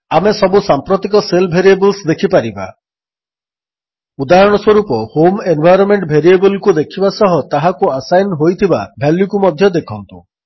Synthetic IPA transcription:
amesɔbusampɾot̪ikɔselbʱeɾiebɔlsd̪ekʰipaɾiba̰ | ud̪aɦɔɽ̃ɔswoɾupɔhomenbʱajɾɔnmeɳʈbʱeɾiebɔlkud̪ekʰibasɔɦɔt̪aɦakuasajnɦojt̪ʰiba̰bʱelːukumɔd̪ʱjɔd̪ekʰɔnt̪u

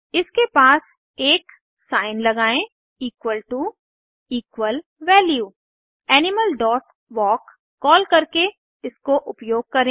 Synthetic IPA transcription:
ɪskepaːs | eːk | saːɪnlɐɡaːẽ | iːkʋəlʈu | iːkʋəlʋɛːljuː | ɛːnɪməlɖɔːʈ | ʋɔːkː | ɔːlkɐɾke | ɪskoʔʊpjoːɡ̚kɐɾẽː

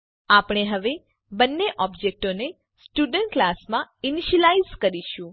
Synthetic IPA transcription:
apɽ̃eɦəʋe | bənːeʔɔbd͡ʒek̚ʈone | sʈuɖəɳʈklasmãiniʃəlaizkəɾiʃũ

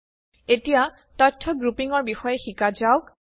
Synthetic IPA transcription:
etija | tɔtʰːɔɡɹupiŋɔɹbixɔjɛxikazaʊk

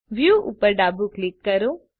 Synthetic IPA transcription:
ʋjuːʔṵpəɾɖaːbuklɪkːɐɾo

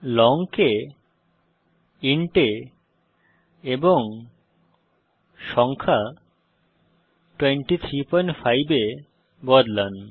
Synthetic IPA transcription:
lɔŋke | iɳʈe | eboŋ | ʃɔŋkʰa | ʈweɳʈit̪ʰɾipɔjnʈfʰajbe | bɔɖlan

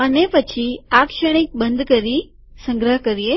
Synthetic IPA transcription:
ənepət͡ʃʰiakʃəɽ̃ik̚bənd̪ʱkəɾi | sə̃ŋɡɾəɦkəɾie

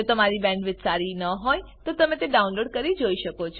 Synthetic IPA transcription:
ot̪əmaɾibɛ̃ɳɖʋɪt̪saɾinəɦojt̪ot̪əmẽt̪eɖaunloɽkəɾid͡ʒoiʃəkot͡ʃʰ

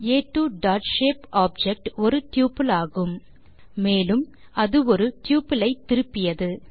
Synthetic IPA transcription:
eːʈːuːɖaːʈʃeːpaːb̚d͡ʒɛk̚ʈɔɾɯʈjuːpɪlaːɣɯm | meːlɯm | ʔɐðɯɔɾɯʈjuːpɪlɐɪt̪ːɪɾɯpːɪjɐðɯ

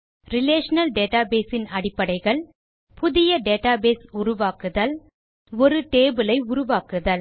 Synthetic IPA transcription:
ɾɪleːʂɐnɐlɖeːʈaːbeːsɪnɐɽɪpːɐɽɐɪɣɐɭ | pʊðɪjɐɖeːʈaːbeːsʊɾʊʋaːkɯðɐl | ɔɾɯʈeːbɯlɐɪʊɾʊʋaːkɯðɐl

